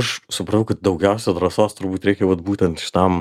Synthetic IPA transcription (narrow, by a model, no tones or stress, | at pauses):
ɐʃsʊpɾɐt̪ɐʊkɐt̪̚d̪ɐʊɡʲɛʊs̬ʲɛd̪ɾɐsoːst̪ʊɾbuːt̪ɾʲɛɪkʲɛʋɐt̪̚buːt̪ʲɛnt̪ʃʲɪ̥t̪ɐm